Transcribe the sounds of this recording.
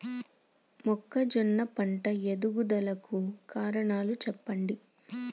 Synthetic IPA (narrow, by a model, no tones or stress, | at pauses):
mɔkːɐd͡ʒɔnːɐpɐɳʈɐed̪uɡud̪ɐlɐkukaːɾɐɳaːlut͡ʃɛpːɐɳɖi